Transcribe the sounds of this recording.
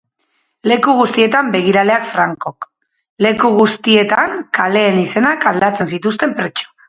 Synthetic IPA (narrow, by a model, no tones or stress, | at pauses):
le̞kuɣ̞ust̪ie̞t̪ambe̞ɣ̞iɾale̞akfɾaŋko̞k | le̞kuɣust̪ie̞t̪aŋkale̞ːnise̞nakald̪at͡se̞nsit̪ust̪e̞mpɾet͡ʃo̥